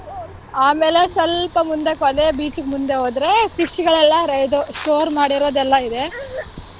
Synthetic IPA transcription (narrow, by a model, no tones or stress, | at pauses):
aːmeːlesɐlpɐmund̪ekɐd̪eːbiːt͡ʃiɡmund̪e̞ɦoːd̪ɾe̞pɾisiɡɐɭɛlːɐɾɐjd̪osʈoːɾmaːɽiɾoːd̪ɛlːɐid̪e